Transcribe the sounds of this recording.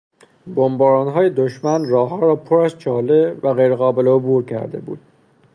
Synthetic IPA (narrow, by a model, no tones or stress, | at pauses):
bombɒːɾɒːnɦɒːjed̪oʃmænrɒːɦɒːɾɒːpʰoɾæzt͡ʃʰɒːlevæɣejɾeɣɒːbe̞leobuːɾcʰæ̰ɾd̪e̞̰bṵːd̪̥